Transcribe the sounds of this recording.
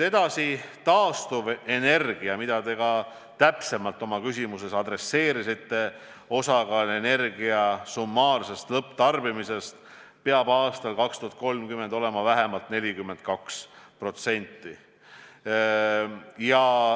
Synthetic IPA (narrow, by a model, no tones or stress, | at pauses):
t̪e̞d̪ɑsit̪ɑːst̪uve̞ne̞rɡ̥iɑmid̪̥ɑt̪e̞ɡɑ | t̪æpse̞mɑlt̪ːˑo̞mɑkysimuse̞sɑd̪ɾe̞sːe̞ːɾisit̪ːe̞ | o̞sɑkɑle̞ne̞rɡ̥iɑsumːɑːrse̞st̪lɤpːˑt̪ɑrbimise̞st̪ | peɑbɑːst̪ɑlkɑkst̪uhɑt̪̚ko̞lmkymːed̪o̞le̞mɑvæɦe̞mɑlt̪ne̞lʲikymːe̞nt̪̚kɑkspro̞t̪se̞nʲt̪ːˑi | jɑ